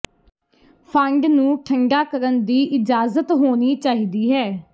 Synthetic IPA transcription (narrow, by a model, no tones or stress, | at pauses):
pʰəɳɖnũːʈʰəŋɡaːkəɾənd̪iːʔɪd͡ʒaːzət̪ɦoːniːt͡ʃaːɦiːd̪iːɦɛː